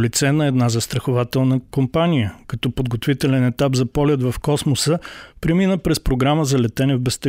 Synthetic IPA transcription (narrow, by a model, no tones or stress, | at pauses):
lit̪sɛnɐɛd̪nazəst̪ɾɐxʊvat̪ɛlˠnəkompanijəkɐt̪ɔpod̪ɡot̪vit̪ɛlɛnɛt̪apzɐpɔlʲɛd̪vɐfkɔsmosəpɾɛminəpɾɛspɾoɡɾaməzɐlɛt̪ɛnɛvbɛst̪ɛ